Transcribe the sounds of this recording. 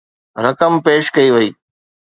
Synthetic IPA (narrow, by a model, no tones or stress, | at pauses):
ɾəkəmpeːʃkɐiːʋəiː